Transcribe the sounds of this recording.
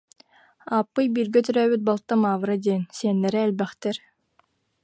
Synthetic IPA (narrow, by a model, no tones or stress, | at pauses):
aːpːɯjbiːɾɡɛt̪yɾœːbyt̪̚balˠt̪ːamaːvɯɾad̪iɛnsiɛnːɛɾɛːlʲbɛχt̪ɛɾ